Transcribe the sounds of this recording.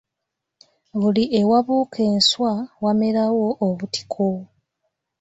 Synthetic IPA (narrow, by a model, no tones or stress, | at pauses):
βuliʔe̞waβuːkʰe̞ːnswawameɾawo̞ʔːβuti̥kʰo